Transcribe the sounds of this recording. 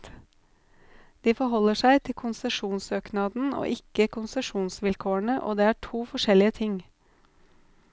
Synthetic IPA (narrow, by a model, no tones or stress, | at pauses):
d̪̥iːfɔɾɦɔlːəʂæɪt̪ʰɪlkʰʊnsɛʂuːnsøːknɑːd̪n̩o̰ːʔɪkəkʰʊnsɛʂuːnsʋɪlkʰoːəɳəʔo̰ːd̪eːæːʈʰuːfɔʂɛlɪət̪ʰɪŋ